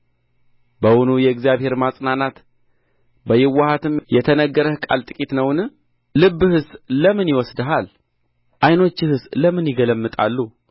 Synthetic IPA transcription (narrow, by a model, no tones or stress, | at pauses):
bəwʊnujɛɨɡzijaβhe̞ɾmasʼnanat̪ | bəjɪwːahat̪ɨmjɛt̪ʰənəɡːəɾəhkʼa̰lt̪ʼɨkʼit̪nəwnɨː | ɨbːɨhɨsləmɨnjɪwɔsd̪əɦal | ʔajno̞t͡ʃːɪhɨsləmɨnjɪɡələmːɨt̪ʼa̰lːu